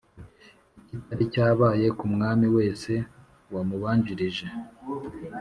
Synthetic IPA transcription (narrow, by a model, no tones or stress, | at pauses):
icitaɾicaːβaːje̞kumŋaːmiwe̞ːse̞ | wamuβaːɲɟiɾiʒe̞